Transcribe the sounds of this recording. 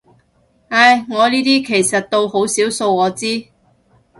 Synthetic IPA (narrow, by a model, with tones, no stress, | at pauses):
ɐ˧jŋɔː˨˧niː˥t̪iː˥kʰe˨˩jsɐ˨t̚t̪o˧who˨˥wsiː˨˥wso˧wɔː˨˧t͡siː˥